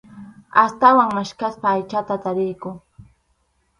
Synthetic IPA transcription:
ast̪awaŋmaʃkaspaːjt͡ʃat̪at̪aɾɪjkʊ

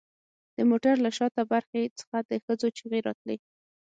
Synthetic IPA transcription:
d̪̥əmoʈaɾlaʃɑt̪abaɾxet͡sə̥xad̪əxəd͡zot͡ʃiɣeɾɑ̰t̪li

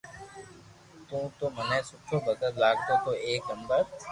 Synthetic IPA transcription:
t̪ũːt̪oːmənãːsʊt͡ʃʰoːbəɡət̪laːɡ̚t̪oːt̪oːeːkəmbəɾ

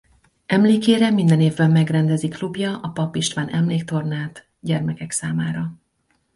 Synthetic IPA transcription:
ɛmleːkeːɾɛmind̪ɛneːvbɛmːɛɡrɛnd̪ɛziklubjɒʔɒpɒpiʃt̪ʋaːnʔɛmleːk̚t̪o̞rnaːt̪ | ɟɛrmɛkɛksaːmaːɾɒ

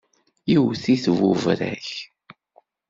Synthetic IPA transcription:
jiwθiθvuvɾæ̰ç

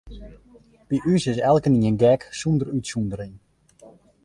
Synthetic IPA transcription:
piʔysɪsɛlˠkəniənɡɛksundərytsundəɾin

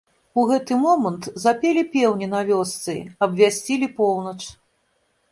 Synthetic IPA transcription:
uɣɛt̪ɨmɔmɐnt̪zapʲelʲipʲɛwnʲinavʲɔst̪sɨ̰ɐbvʲasʲt͡sʲilʲipɔwnɐt͡ʂ

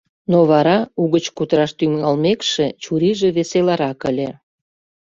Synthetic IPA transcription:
noβɑɾɑuɣət͡ɕkut̪ɾɑʃt̪ymɑlmekʃet͡ɕuɾiʒĕβeselɑɾɑkəlʲe

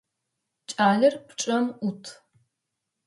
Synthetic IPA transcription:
t͡ʃʼaːɮɐrpʈ͡ʂʼɐmutʰ

